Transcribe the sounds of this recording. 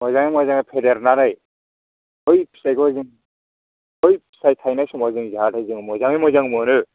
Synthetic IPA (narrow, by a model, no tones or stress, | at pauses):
mɔjzaŋɯmɔjzaŋapʰedeɾnaɾɯj | ɔjpʰi̥sajɡɔzɯŋ | ɔjpʰi̥sajtʰajnajsumɔzɯŋzaɦatʰajzɯŋmɔzaŋɯjmɔjzaŋmɯnɯ